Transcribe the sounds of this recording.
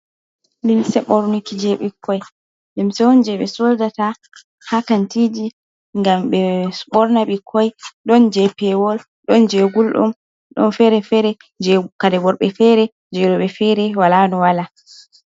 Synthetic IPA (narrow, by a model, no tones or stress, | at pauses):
limsɛɓɔɾnukid͡ʒɛɓikʰːɔj | limsɛwɔnd͡ʒɛɓɛ̰soldata | hakantid͡ʒi | ŋɡamɓɛɓɔɾnaɓikʰːɔjɗɔnd͡ʒɛpɛwɔl | ɗɔnd͡ʒeɡulɗɔ̰m | ɗɔ̰nfɛɾɛfɛɾɛ | d͡ʒɛkadɛɡɔɾɓɛfɛɾɛ | d͡ʒɛɗɔɓɛfɛɾɛwalanɔwala